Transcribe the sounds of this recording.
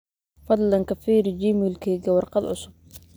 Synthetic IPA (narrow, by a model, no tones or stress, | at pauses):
fɑd̪ˤlɑnkɐfiːɾd͡ʒiːmɪlkʰɛːɡɐwɑrqɑd̪ʕʊ̰sʊb̥̚